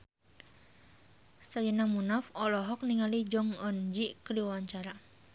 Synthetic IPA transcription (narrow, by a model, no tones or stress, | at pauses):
sad͡ʒənamunafɔlɔɦɔk̚niŋalid͡ʒɔŋɔnd͡ʒiʔkəliwawaɲt͡ʃaɾa